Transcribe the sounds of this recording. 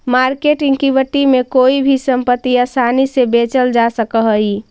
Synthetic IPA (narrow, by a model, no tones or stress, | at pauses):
maɾkeʈĩŋɡkibəʈ̪ːimekoibʱisəmpət̪ːijasanisebet͡ʃəld͡ʒasəkəɦəi